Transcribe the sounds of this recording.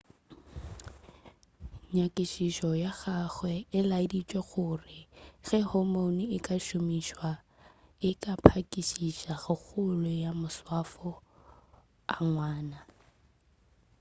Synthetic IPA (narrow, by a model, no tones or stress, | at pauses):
ɲakʼiʃiʃɔjaɣaɣwɛɪlaɪdit͡ʃʼweɣʊrɪɣɛhomoniɪkʼaʃʊmiʃwa | ɪkʼapʰakʼiʃiʃaɣʊk͡xʰʊlʊjamʊswafɔ | aŋwaːna